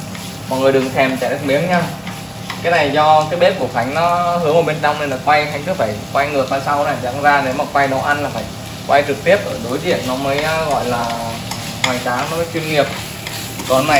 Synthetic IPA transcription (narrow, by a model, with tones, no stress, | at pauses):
mɔ̰˧˨jŋɨ˨˩əjɗɨ˨˩əŋsʰɛ˨˩mt͡ɕaː˧˩ə˨˦˥t̚mi˨˦əŋɲaː˧ | kaː˨˦jna˨˩jzɔ˧kaː˨˦jɓe˦˥p̚ku˧˩əxʰa˨˦jŋ̟nɔ˨˦hɨ˨˦əŋo˨˧˩ɓe˧nt͡ɕɔ˧wŋ͡mn˨˩nɔ˨˩kwa˧jxʰa˨˦ŋ̟kɨ˨˦faː˧˩jkwa˧jŋɨ˨˩ək̚ɓaː˧sa˧wna˨˧˩za̰˧˥ŋzaː˧ne˨˦maː˨˩kwa˧jno̰˨˧˩ʔa˧nlaː˨˩faː˧˩j | kwʔa˧jt͡ɕɨ˨˩k̚t̪i˦˥əp̚ʔəː˧˩no˨˦jzḭ˧˨ənnɔ˨˦məː˨˦jɣɔ̰˧˨jlaː˨˩ | hwaː˨˩jt͡ɕaː˨˦ŋnɔ˨˦˨t͡ɕwi˧əŋːi˨˩əp̚ | kɔ˨˩na˨˩